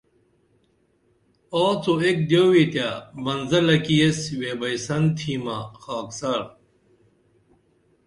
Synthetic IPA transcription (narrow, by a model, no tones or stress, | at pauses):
aːt͡soek̚d̪joːwit̪jabɐnzɐlɐkijesweːbɐjsɐnt̪ʰiːmaxaːksaɾ